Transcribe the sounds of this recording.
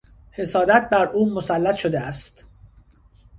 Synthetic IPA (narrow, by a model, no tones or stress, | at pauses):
he̞sɒːd̪æt̪̚bæɾuːmosælːæt̪ʰʃo̞d̪eæst̪